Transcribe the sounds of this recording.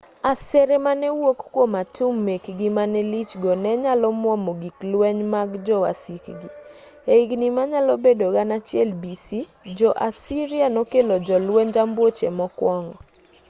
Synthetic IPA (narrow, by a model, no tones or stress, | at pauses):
asɛɾɛmanɛwokkwomatʰumːekɡimanɛlit͡ʃɡɔnɛɲalɔmwɔmoɡiklwɛɲmaɡd͡ʒɔwa̰sikɡi | eiɡnimaɲalɔbedoɡanat͡ʃɪɛlbisi | d͡ʒɔʔasiɾianokelɔd͡ʒɔlwɛɲd͡ʒambwot͡ʃemɔkwɔŋɔ